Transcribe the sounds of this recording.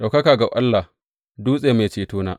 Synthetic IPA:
ɗa˨wkɐ˦kaː˨ɡa˨ʔa˦lːa˨ | duː˦sʼeː˨ma˨t͡ʃeː˨tuː˦na̰ː˦

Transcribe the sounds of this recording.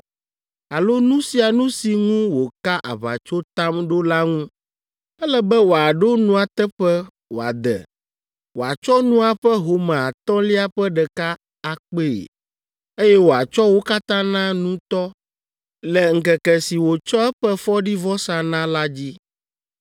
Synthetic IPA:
a˨lo˦nũ˦si˨a˨nũ˦si˨ŋũ˦wo˨ka˦ʔa̰˨βa̰˨t͡ʃo˦t̪a˦mɖo˦la˦ŋũ˦ | ɛ˦lɛ˦bɛ˦wo˨a˨ɖo˦nũ˦a˨t̪ɛ˦ɸɛ˦ | wo˨a̰˨d̪ɛ̰˨ | wo˨a˨t͡ʃɔ˦nũ˦a˨ɸɛ˦ɦo˨mã˨a˨t̪ɔ̃˦li˦a˦ɸɛ˦ɖɛ˨ka˦ | a˨k͡pe˦ḛ˨ | e˦jɛ˦wo˨a˨t͡ʃɔ˦wo˦ka˦t̪ã˦nã˦nũ˦t̪ɔ˦ | lɛ˨ŋ̩˨kɛ˨kɛ˨si˨wo˨t͡ʃɔ˦ɛ˦ɸɛ˦fɔ˦ɖi˦vɔ˦sa˨nã˦la˦d͡ʑi˦

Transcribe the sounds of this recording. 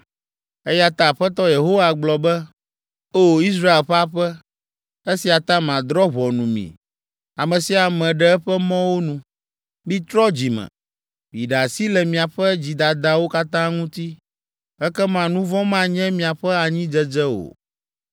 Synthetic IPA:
ɛ˦ja˦t̪ã˨ɸɛ˦t̪ɔ˦je˨ɦo˦wa˨ɡ͡blɔ˨bɛ˦ | o˦˨i˦s̬ɾa˦e˨lɸɛ˦a˦ɸɛ˦ | e˦si˨a˨t̪ã˦mã˨d̪ɾɔ˦βɔ˨nũ˨mḭ̃˨ | a˨mɛ̃˨si˨a˨mɛ̃˨ɖɛ˦ɛ˦ɸɛ˦mɔ̃˦wo˦nũ˨ | bĩ˦t̪ɾɔ˦d͡ʑi˨mɛ̰̃˨ | bi˨ɖa˨si˦lɛ˨mĩ˨a˨ɸɛ˦d͡ʑi˨d̪a˨d̪a˨wo˦ka˦t̪ã˦ŋũ˦t̪i˦ | ɛ˦kɛ˦mã˨nũ˦vɔ̃˦mã˦ɲɛ̃˦mĩ˨a˨ɸɛ˦a˨ɲĩ˦d͡ʒɛ˦d͡ʒɛ˦o̰˨

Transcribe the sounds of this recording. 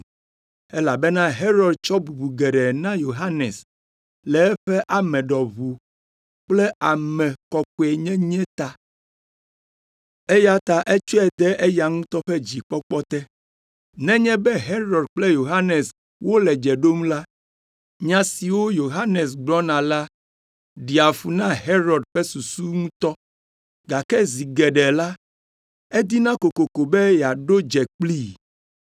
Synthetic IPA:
e˦la˨be˦nã˦ɦe˦ɾɔ˨ɖt͡ʃɔ˦bu˨bu˨ɡe˨ɖɛ˨nã˦jo˨ɦa˦nɛ˨s | lɛ˨ɛ˦ɸɛ˦ʔa˨mɛ̃˨ɖɔ˨βu˨ | k͡plɛ˦ʔa˨mɛ̃˨kɔ˨kɔ˨ɛ˨ɲɛ̃˦ɲɛ̃˦t̪a˦ | e˦ja˦t̪a˨ʔe˦t͡ʃɔ˦ɛ˨d̪ɛ˦ʔe˦ja˨ŋũ˦t̪ɔ˦ɸɛ˦d͡ʑi˨k͡pɔ˦k͡pɔ˦t̪ɛ˦ | nɛ̃˦ɲɛ̃˦bɛ˦ɦe˦ɾɔ˨ɖk͡plɛ˦jo˨ɦa˦nɛ˨s | wo˦lɛ˨d͡ʒɛ˨ɖo˦m̃˦la˦ | ɲã˨si˨wo˦jo˨ɦa˦nɛ˨s̬ɡ͡blɔ˦nã˨la˦ | ɖi˨a˨fu˨nã˦ɦe˦ɾɔ˨ɖɸɛ˦su˨su˦ŋũ˦t̪ɔ˦ | ɡa˨kɛ˦zi˨ɡɛ˨ɖɛ˨la˦ | ɛ˦d̪i˦nã˦ko˨ko˨ko˨bɛ˦ja˨ɖo˦d͡ʒɛ˨k͡pli˦

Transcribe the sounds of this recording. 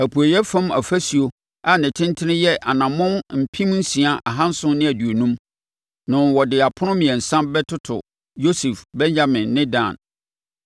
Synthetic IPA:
æ˨pʰu˨a˨jɛ˦fã˦mæ̰˨fæ˦si˨o˦ | a˨nɪ̃˨tʰɪ̃˦n˦tʰɪ˦nɪ̃˦jɛ˦ʔa˨nã˨mʊ̃˦nm̩˨pʰĩ˦mn̩˦sĩ˨a˨ʔa˨ɦã˦n̩˦sʊ̃˦nɪ̃˦æ˨du˨o˨nũ˦m | nʊ̃˨n˨wɔ˨dɪ˨a˨pʰʊ˦nʊ̃˦mĩ˨ɛ̃˨n̩˨sã˦mbɛ˦tʰʊ˦tʰʊ̰˨ | jo˦si˨fbɛ̃˦ɲd͡ʑa˦mɪ̃˨nːɪ̃˦dã̰˦˨n

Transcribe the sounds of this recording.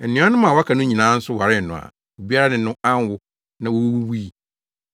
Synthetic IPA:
nɪ̃˦ɔ˦nʊ̃˦mã˨wkʰa˨nʊ̃˦ɲĩ˨nãː˨˦n̩˦sʊ˦wa˨ɾɪ˦˨n̩˨nʊ̃˨a̰˨ | o˨bi˦a˦a˦nɪ̃˨˦nʊ̃˦ã˦n˦wʊ˦ | nã˨wo˦wwu˦wi˦˨

